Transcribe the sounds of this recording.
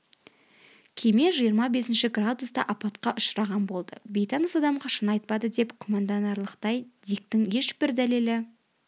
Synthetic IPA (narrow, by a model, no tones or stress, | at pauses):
kʲʰeme̞ʒijəɾmɑbe̞sɪnʃɪɡrad̪ust̪ɑʔɑpɑt̪qɑʔʊʃɾɑʁɑnbo̞lˠd̪ə̰be̞jt̪ɑnəsɑd̪ɑmqɑʃənɑjt̪̚pɑd̪əd̪e̞pkʰomɑnd̪ɑnɑɾlˠəqt̪ɑjd̪ijk̚t̪ɪŋje̞ʃb̥ɪɾd̪æle̞lɪ